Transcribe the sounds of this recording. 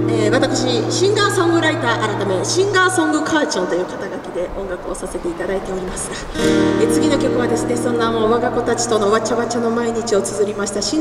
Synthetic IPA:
eːβat̪akɯ̟̥ɕiɕĩŋɡaːsõ̞ŋɡɯ̟ɾait̪aːʔaɾat̪ame̞ɕĩŋɡaːsõ̞ŋɡɯ̟kʰaːt͡ɕõnt̪o̞jɯ̟ːkat̪aɡakʲid̪e̞ʔõ̞ŋɡakɯ̟o̞sase̞t̪e̞it̪ad̪ait̪e̞o̞ɾʲimasɨ̥ɡa | et͡sɨɡʲino̞kʲo̞kɯ̟βad̪e̞sɨne̞sõ̞nːamo̞ːβaɡako̞t̪at͡ɕi̥t̪o̞no̞βat͡ɕaβat͡ɕano̞maiɲ̟it͡ɕio̞t͡sɨzɨɾʲimaɕi̥t̪aɕĩ

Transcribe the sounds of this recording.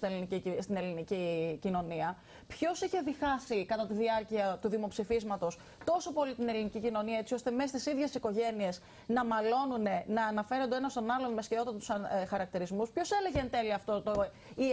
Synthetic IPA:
ielinicist̪inelinicicino̞niɐ | pço̞siçe̞ðixɐsikɐt̪ɐt̪iðiɐɾciɐt̪uðimo̞psifizmɐt̪o̞s | t̪o̞so̞po̞lit̪ine̞linicicino̞niɐe̞t͡sio̞st̪e̞me̞st̪isiðʝe̞siko̞ʝe̞nie̞s | nɐmɐlo̞nune̞nɐːnɐfe̞ɾond̪onɐst̪o̞nɐlo̞nmesceo̞t̪ɐt̪ɐt̪u̥sɐxɐɾɐk̚t̪iɾizmuspço̞se̞le̞ʝent̪e̞liɐft̪o̞t̪o | i

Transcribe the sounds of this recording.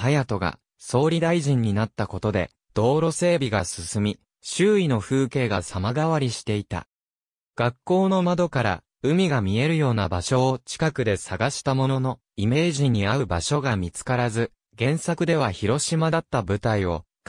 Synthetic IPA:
hajat̪o̞ɡa̰ | so̞ːɾʲid̪aiʑĩɲ̟ːinat̪ːako̞t̪o̞d̪e̞̰ | d̪̥o̞ːɾo̞se̞ːbʲiɡasɨsɨmʲi | ɕɨːino̞ɸɯ̟ːke̞ːɡasamaɡaβaɾʲiɕi̥t̪e̞it̪a̰ | ɡ̥akːo̞ːno̞mad̪o̞kaɾa̰ | ɯ̟mʲiɡamʲie̞ɾɯ̟jo̞ːnabaɕo̞ːt͡ɕi̥kakɯ̟d̪e̞saɡaɕi̥t̪amo̞no̞no̞ | ime̞ːʑĩɲ̟ːiaɯ̟baɕo̞ɡamʲit͡sɨ̥kaɾazɨ | ɡẽ̞ɰ̃sakɯ̟d̪e̞β̞açiɾo̞ɕimad̪at̪ːabɯ̟t̪aio̞̰ | k

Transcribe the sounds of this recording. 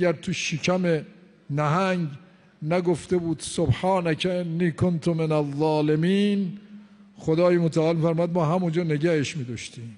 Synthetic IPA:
æɾt̪ʰuʃicʰæme | næɦæŋɡ | næɡoft̪ebuːd̪̥sobħɑːnæcʰæʔenːiːkʰont̪ʰomenæðˤːɑːlemiːn | xod̪ɒːjemot̪ʰæɒːlmiːfæɾmɔːjæd̪̚mɒːɦæmund͡ʒɒːneɟæheʃmiːd̪ɒːʃt̪iːm

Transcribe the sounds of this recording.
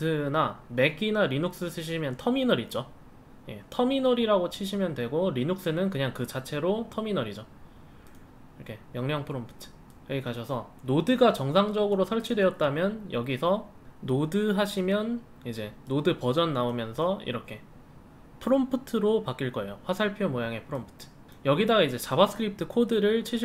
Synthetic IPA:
ɯname̞ɡinaɾinok̚s͈ɯsʰɯɕ̬ʰimjʌntʰʌminʌɾit̚t͡ɕ͈o | je̞̰tʰʌminʌɾiɾaɡot͡ɕʰiɕʰimjʌndwe̞ɡoɾinok̚s͈ɯnɯnkɯɲaŋkɯt͡ɕat͡ɕʰe̞ɾotʰʌminʌɾid͡ʑo | iɾʌkʰe̞mjʌŋɲʌŋpʰɯɾompʰɯ̥tʰɯ̥ | jʌɡikaɕʰʌsʰʌ | nodɯɡat͡ɕʌŋsʰaŋd͡ʑʌɡɯɾosʰʌɭt͡ɕʰidwe̞ʌt̚t͈amjʌnjʔʌɡisʰʌː | odɯɦaɕʰimjʌn | id͡ʑe̞nodɯpʌd͡ʑʌnːaomjʌnsʰʌḭɾʌkʰe̞ | pʰɯɾompʰɯtʰɯɾopak͈iɭk͈ʌe̞̰joɸwasʰaɭpʰiomojaŋe̞pʰɯɾompʰɯ̥tʰɯ̥ | jʌɡidaɡaid͡ʑe̞t͡ɕabas͈ʰɯ̥kʰɯɾip̚tʰɯkʰodɯɾɯɭt͡ɕʰiɕʰi

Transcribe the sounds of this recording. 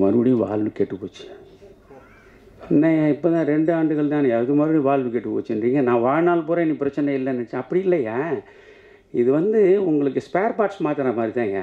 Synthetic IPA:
mɐbɐɽĩʋa̰ːlʋɯkeːʈːɯpːoːt͡ʃːɯ | ɪnːɐjaːɪpːoːt̪ãːɾɛɳɖɯaːɳɖɯɣɐɭt̪ãːnɯɛʋɐðɯmaːd̪ɾĩʋaːlʋɯkeːʈːɯpːo̰ːt͡ʃːɪnriːŋɡɐnãːʋaːɻnaːlpoːɾɐ̃ɛnːipɪɾɐt͡ʃːɐnɛɪlːɐnːɐt͡ʃːɐpːɐɽiɪlːɐja | ɪðɯʋɐnd̪ɯʊŋɡɐɭɯkːɯspaːɾpaːʈsmaːt̪ɪɾɐmaːd̪ɾit̪ãːŋɡɐ̰

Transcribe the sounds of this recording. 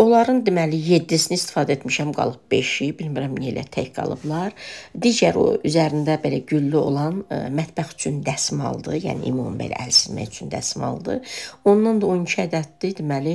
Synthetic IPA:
o̞lˠɑɾɯnd̪imælije̞d̪ːisinist̪i̥fɑːd̪æet̪miʃæmɡɑ̰lˠɯb̚be̞ʃibilmiɾæmnḛlʔæ̰t̪ʰæ̰çɡɑ̰lˠɯ̰blˠɑɾd̪iːɟæɾo̞̰yzæɾind̪æbe̞læɟylːyo̞̰lˠɑnmæt̪bæxy̥t͡ʃʰynd̪æsmɑ̰lˠd̪ɯjæ̰ːnḭʔḭmummbḛlʔæ̰ʔælsinmæ̰jyt͡ʃʰynd̪æ̰smɑ̰lˠd̪ɯ̰o̞nːɑnd̪ɑonicʰiæd̪æt̪̚d̪id̪imæli

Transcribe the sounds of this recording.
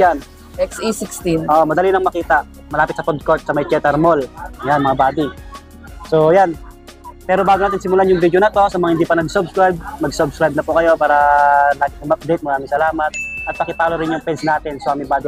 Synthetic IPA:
an | ɛksisikst̪iʔoʔmɐd̪ɐlinɐŋmɐkiːt̪ɐʔ | mɐlaːpɪt̪̚sɐpod̪̚kot̪̚sɐmɐjt͡ʃɛt̪ɛɾmoljanmɐŋabaːd̪i | sojan | pɛːɾobaːɡʊnaːt̪ɪnsɪmʊlaʔnjʊŋvid̪jonɐt̪o̞sɐmɐŋɐhɪnd̪iːpɐnɐɡsobskɹajb̚mɐɡsobskɾajb̚nɐpʊkɐjo̞paːɾɐlaːɡɪɐmɐp̚d̪ɛjt̪̚mɐɾaːmɪŋsɐlaːmɐt̪̚ʔɐt̪̚pɐkɪpaːloɾɪnjʊŋpɛnsnaːt̪ɪnsoʔamɪbaːd̪ɪ

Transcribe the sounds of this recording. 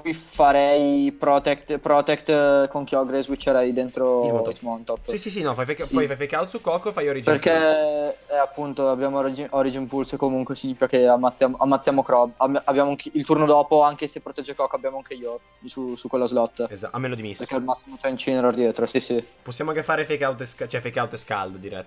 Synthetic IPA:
kwifaɾɛjpɾɔt̪ekt̪pɾɔt̪ekt̪koŋk̟jɔɡɾezwit͡ʃːeɾɛjd̪ent̪ɾozmɔnt̪ɔpːsisisinɔfajfajksiɔjfajfajkːalsukɔkːofajoɾid͡ʒperk̟e | ɛapːunt̪oabjaːmoɔɾid͡ʒiɔɾid͡ʒinpulskomuŋkwesiɲːifikakeamːat̪sːjaːmoʔamːat̪sːjamokɾɔbabaabjaːmoaŋkilt̪urnod̪ɔːpoaŋkesepːɾot̪ɛd͡ʒːekɔkːabːjaːmoaŋk̟eio | susukːwelːazlɔt̪ːezaa̰mːeːnod̪imisperkɛlmasːimot̪ɛnt͡ʃineɾord̪jeːt̪ɾosisiposːjamoaŋkefaːɾefekawt̪skt͡ʃɛfekawt̪eska̰ld̪d̪iɾɛ̰t̪ː

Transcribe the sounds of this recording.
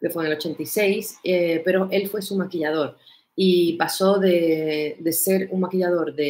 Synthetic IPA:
kefweŋelo̞t͡ʃe̞nt̪ise̞jsepe̞ɾo̞ʔe̞lfwe̞sumakiʎað̞o̞ɾ | ipaso̞ðe̞d̪e̞se̞ɾuŋmakiʎað̞o̞ɾðe

